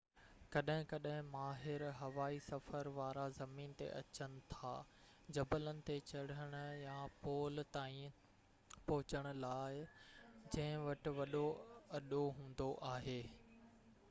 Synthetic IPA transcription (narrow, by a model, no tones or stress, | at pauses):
kɐɗɦɪ̃kɐɗɦɪ̃maːɦɪɾɦɐʋaːisɐfəɾʋaːɾazɐmiːnt̪ḛʔɐ̰t͡ɕənɪ̆t̪ʰa̰ː | d͡ʑɐbələnɪ̆t̪et͡ɕɐɽ̤əɽ̃ʊ̆japoːlt̪aːĩ | pɔɦʊt͡ɕəɽ̃ʊ̆laːɪd͡ʑɐ̃ɦɪ̃ʋɐʈɪ̆ʋɐɗoɐɗoɦũːn̆d̪oʔaːɦeː